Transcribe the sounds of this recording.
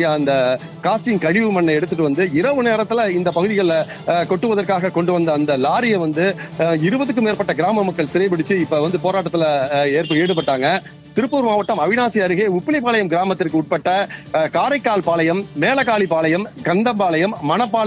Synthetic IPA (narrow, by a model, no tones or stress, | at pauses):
jaːɐnd̪ɐ | kaːsʈɪnkɐɻɪʋɯmɐnːɐɛɽɯt̪ːɯʈːɯʋɐnd̪ɯɪɾɐʋɯneːɾɐt̪ːɪlɐɪnd̪ɐpɐɣɯðɪɣɐɭ | kɔʈːɯʋɐðɐɾkaːɣɐkɔɳɖɯʋɐnd̪ɐːnd̪ɐlaːɾɪjɐʋɐnd̪ɯɪɾɯbɐðɯk̬ːɯmeːɾpɐʈːɐɡɪɾaːmɐmːɐkːɐɭsɪɾɐɪpɪɽɪt͡ʃːɯɪpːɐʋɐnd̪ɯpoːɾaːʈːɐt̪ːɪlɐeːɾpɐeːɽɯpːɐʈːaːŋɡɐ | t̪ɪɾɯpːuːɾmaːʋɐʈːɐmɐʋɪnaːsiɐɾɯɣeːʊpːɪlɐɪpːaːlɐjɐmɡɪɾaːmɐt̪ːɪrkɯʊʈ̚pɐʈːɐkaːɾɐɪkːaːlpaːlɐjɐmːeːlɐkaːɭipaːlɐjɐmkɐnd̪ɐmpaːlɐjɐmːɐnɐpːaː